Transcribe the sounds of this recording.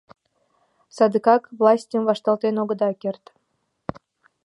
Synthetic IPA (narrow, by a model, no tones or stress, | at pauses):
sɑd̪ɯkɑkvlˠɑsʲtʲəmvɑʃt̪ɑlˠt̪enoɡə̆d̪ɑkʲert̪